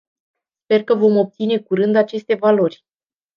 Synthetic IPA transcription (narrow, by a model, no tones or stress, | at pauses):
spe̞rkəvo̞mo̞p̚t̪sine̞kuɾɨnd̪at͡ʃe̞st̪e̞valo̞rʲ